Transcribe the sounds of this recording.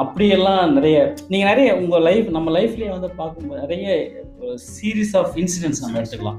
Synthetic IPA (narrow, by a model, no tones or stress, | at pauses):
ɐpːɐɽɪjɛlːãːnɪɾɐjɐniːŋɡɐnɪɾɐjɐʊŋɡɐlɐɪfnɐmːɐlɐɪfɪleːʋɐnd̪ɯpaːɾkɯmboːðnɪɾɐjɐ | ɾsiːɾiːsaːfɪnsɪɖɛnsnɐmːɐɛɽɯt̪ːɯkːɐlã̰ː